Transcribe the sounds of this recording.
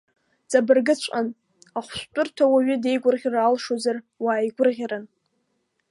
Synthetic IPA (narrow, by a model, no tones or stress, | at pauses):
t͡sʼabɨrɡɨt͡ɕʷʼan | aχʷʃʷtʷʼʊrtʰawaɥɪde̞jɡʷʊrʁʲraːlʂozar | waːjɡʷʊrʁʲaɾan